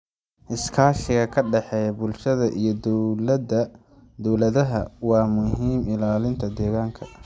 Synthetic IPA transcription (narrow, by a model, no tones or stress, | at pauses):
ʔɪskʰaːʃɪɣɐkʰɐɖɛħɛːjɐbʊlʃɐðɐʔijɞd̪d | d̪ɔwlɐðɐɦɐwɑːmʊɦiːmɪlaːlɪnt̪ʰɐd̪ɛːɣaːŋkʰɐ